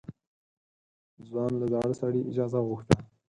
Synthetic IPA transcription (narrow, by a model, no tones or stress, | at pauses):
zwɑnlad̪ɑɽəsaɽiʔɪd͡ʒɑzaɣuxt̪a